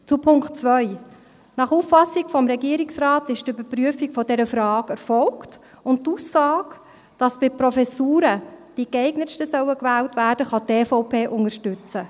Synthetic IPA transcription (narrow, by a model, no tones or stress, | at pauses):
t͡supʰʊŋkχtt͡sʋœʏ | nɑχuːfːɑsikfɔmɾɛɡiəɾɪksrɑːtɪʃtʏbəɾpɾyəfikfɔdɛɾəfɾɑːɡɛɾfɔlkt | ʊnttuːsːɑːk | d̥ɑsb̥ɪpɾɔfɛsuːɾəd̥ikɛɪɡnəʃtəsœwəkʋæːltʋæːɾd̥əχɑteːfɔʊpʰeːʔʊŋəʃtʏt͡sə